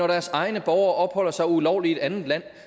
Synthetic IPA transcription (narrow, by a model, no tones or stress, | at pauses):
ɒɾ̥æɐsɑ̈ɪnəb̥ɒʊɐːʔɒ̽b̥hɒ̽l̰ɐsɑ̈ɪulɒʊ̰lie̝d̥ænð̩ˠlæn̰